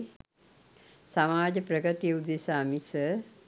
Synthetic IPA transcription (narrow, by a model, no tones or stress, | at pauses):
samaːd͡ʒəpɾəɡət̪ijəud̪esaːmisə